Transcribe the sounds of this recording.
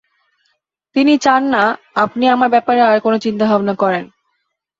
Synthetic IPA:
t̪init͡ɕanːa | apniamaɾbɛpaɾeaɾkonot͡ɕint̪abʱabnakɔɾen

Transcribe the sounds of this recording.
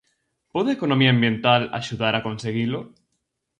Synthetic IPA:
poðeekonomiambjẽ̞nt̪ala̰ʃuðaɾakonseɣ̞ilo

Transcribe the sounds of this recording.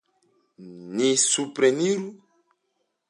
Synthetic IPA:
nisupɾeniɾu

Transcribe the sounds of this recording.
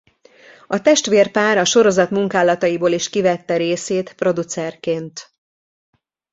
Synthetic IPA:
ɒt̪ɛʃt̪ʋeːrpaːɾɒʃo̞ɾo̞zɒt̪muŋkaːlɒt̪ɒjiboːliʃkivɛt̪ːɛɾeːseːt̪pro̞d̪ut̪sɛrkeːnt̪

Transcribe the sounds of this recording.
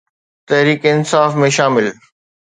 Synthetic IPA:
t̪ɐɦɾiːkeɪnsaːfmẽʃaːmɪl

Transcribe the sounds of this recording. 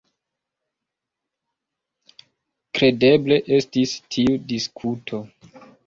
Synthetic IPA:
kɾe̞de̞ble̞ʔe̞stistʰiudiskʰutʰo̞

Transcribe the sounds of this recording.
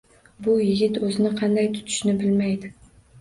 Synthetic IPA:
bʊjɪɡʲɪt̪ɵzɪnɪqʰɑnd̪ajt̪ʰʊ̥t̪ʰɪ̥ʃnɪbɪlmajd̪ɪ

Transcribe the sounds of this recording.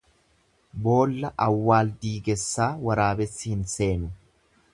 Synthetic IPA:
bo̞ːlːɐʔɐwːaːld̪iːɡɛsːaːwɐɾaːbɛsːɪhɪnse̞ːnʊ

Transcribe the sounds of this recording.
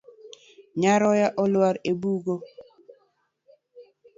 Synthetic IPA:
ɲaɾɔjaʔɔlwaɾebuɡo

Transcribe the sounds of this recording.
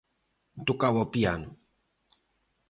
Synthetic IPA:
t̪ukawopian

